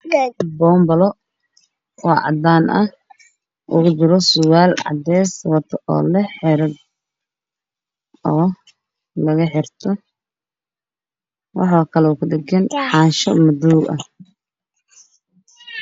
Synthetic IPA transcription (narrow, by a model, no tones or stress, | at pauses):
jaɡbɔːmbɐlɔ | ɔːʕɑ̰d̪aːnɐ | ʔʊɣʊd̪ɪɾɔsʊwaːlʕɑ̰d̪ɛːswɑt̪ʰɐʔɔ̰ːlɐħɛɾɐɡ | ɔː | lɐɣɐħɪrt̪ʰɔ | wʔɑ̰ħɑːkʰɐlɛkʰʊɖɪɡɐnħɑːnʃɔmɐd̪uwɐ̰